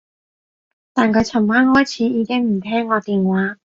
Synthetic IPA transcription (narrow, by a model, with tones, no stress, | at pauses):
t̪aː˨˩nkʰɵ˨˧ɥt͡sʰɐ˨˩ŋmaː˥nhɔː˥jt͡sʰiː˨˧˥iː˨˧kɪ˥ŋm̩˨˩t̪ʰɛː˥ŋːɔː˨˧t̪iː˨nwaː˨˥